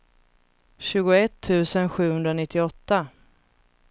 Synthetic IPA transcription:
ɕʉ̟ːɡʊɛt̪ʰːʉ̟ːsənɧʉ̟ːhɵnd̪ɾanɪt̪ʰːɪɔt̪ːa

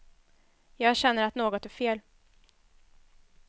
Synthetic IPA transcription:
jɑːɡɕɛnːəɾat̪noːɡɔt̪æfeːl

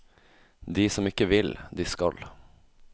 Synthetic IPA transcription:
d̪isɔmɪkːəʋɪld̪ɪskɑl

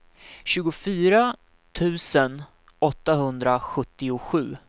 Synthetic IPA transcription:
ɕʉ̟ːɡʊfyːɾa | t̪ʰʉ̟ːsən | ɔt̪ːaɦɵnd̪ɾaɧɵt̪ːɪʊɧʉ̟ː

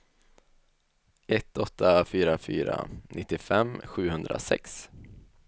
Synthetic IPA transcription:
ɛt̪ːɔt̪ʰːafyːɾafy̰ːɾa̰nʔɪt̪ːɪfɛmːɧʉ̟ːhɵnd̪ɾasɛ̰ks

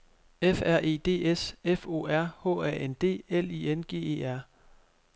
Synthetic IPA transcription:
efæɐ̰ʔe̝̰ːd̥e̝̰ːesefo̝̰ːæɐ̰hɔ̰̽ːæɐ̰ʔend̥e̝̰ːel̰ienɡ̥e̝̰ːe̝̰ːæɐ̰

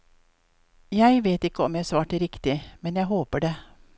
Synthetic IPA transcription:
jæɪʋeːt̪ɪkːəɔmjæsʋɑːʈɪɾɪkt̪ɪmɛnjæɪɦoːpəɖeː

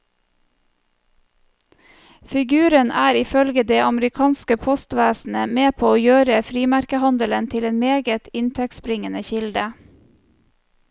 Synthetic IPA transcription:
fɪɡʉːɾənʔæːɾɪfœlɡəd̪eːʔɑmɾɪkʰɑːnskəpʰɔst̪ʋæːsn̩əmeːpʰoːoːjøːɾəfɾiːmæɾkəhɑnd̪ələnt̪ʰɪleːnmeːɡət̪ɪnt̪ʰɛk̚t̪spɾɪŋənəçɪld̪ə

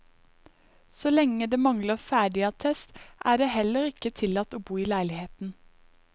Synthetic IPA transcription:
solɛŋəd̪eːmɑŋləfæːɖɪɑt̪ʰɛst̪ʔæːɖeːhɛləʁɪkət̪ʰɪlɑt̪oːbuːiːlæɪlɪheːt̪n̩

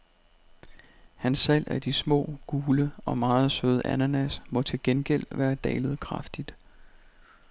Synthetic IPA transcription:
hænsːæl̰ʔæd̥ismɔ̰̽ːɡ̥uːləɒ̽mɑ̈ːð̩ˠsøːð̞ˠʔænænæsmɒ̽t͡sʰe̝lɡ̥enɡ̥el̰ʋæːɐd̥ɛ̰ːlð̞̩ˠkʰʁɑ̈fd̥id̥

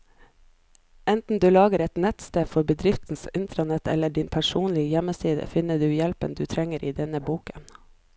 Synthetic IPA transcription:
ɛnt̪n̩d̪ʉːlɑːɡəɾɛt̪nɛt̪st̪eːfɔɾbəd̪ɾɪft̪n̩sɪnt̪ʰɾɑnɛt̪ɛ̰lːəɖɪnpʰæʃuːnlɪəjɛmːəsiːd̪ə̰fɪnəɖʉːjɛlpənd̪ʉːt̪ʰɾɛŋəɾʔiːd̪ɛnəbuːkən

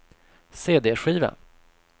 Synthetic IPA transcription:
seːd̪eːɧiːvə̰n

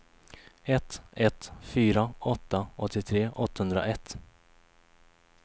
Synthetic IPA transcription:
ɛt̪ɛt̪fyːɾaɔt̪ːaɔt̪ʰːɪt̪ʰɾeːʔɔt̪ːahɵnd̪ɾa̰ʔɛt̪ː

